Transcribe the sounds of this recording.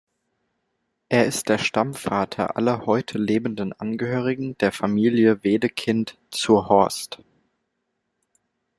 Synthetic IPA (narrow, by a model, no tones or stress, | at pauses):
ʔeːɐɪst̚d̥eːɐʃtamfaːtʰɐ̰ʔa̰lɐhɔʏtʰəleːbn̩dənʔanɡəhøːʁ̞ɪɡŋ̩d̥eːɐfamiːljəveːdəkʰɪnt | t͡suɐhɔɐst